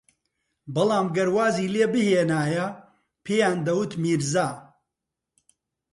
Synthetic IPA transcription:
bɨlˠɑːmɡɐɾwaːziːleːbɨheːnaːjɐ | pʰeːjaːnd̪ɐwɨt̪miːɾzaː

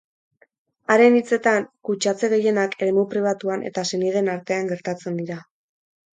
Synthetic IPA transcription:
aɾe̞nit͡se̞t̪aŋkut͡ʃat͡se̞ɣe̞je̞nakʰe̞ɾemupɾiβ̞at̪uane̞̰t̪ase̞nið̞e̞naɾt̪e̞aŋɡe̞ɾt̪at͡se̞nd̪iɾa

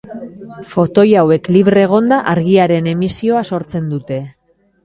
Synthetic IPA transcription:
fo̞t̪o̞jawe̞kliβɾe̞ɣ̞o̞nd̪aʔaɾɣiaɾe̞ne̞misio̞aso̞ɾt͡se̞nd̪ut̪e̞

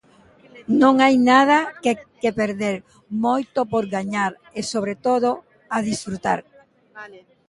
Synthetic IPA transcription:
nõŋajnaðɐkekepeɾðeɾ | mojt̪opoɾɣaɲaɾ | esoβɾet̪oð̞o | aðisfɾut̪a̰ɾ

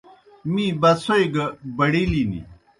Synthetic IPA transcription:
mibɐsojɡɐbɐɽilinḭ

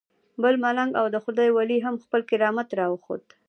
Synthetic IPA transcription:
bəlmalaŋɡawd̪əxʊd̪ɑjwaliɦamxpəlkɪɾɑmat̪ɾɑwəxo̰d̪

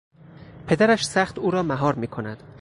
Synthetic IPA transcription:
pʰe̞d̪æɾæʃsæχt̪uːɾɒːmæɦɒːɾmiːkʰo̞næd̪̥

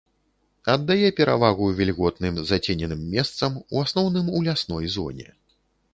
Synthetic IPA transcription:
ɐd̪ːajɛpʲɛɾavaɣujvʲɛlʲɣɔt̪nɨmzat͡sʲenʲɛnɨmːʲɛst̪sɐmuasnɔwnɨmulʲasnɔjzɔ̰nʲɛ̰

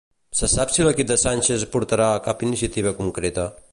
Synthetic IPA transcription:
sɐsapsilɐkid̪ɐsanʲt͡ʃezpuɾt̪ɐɾakapiniʃjɐt̪iβɐkuŋkɾet̪a

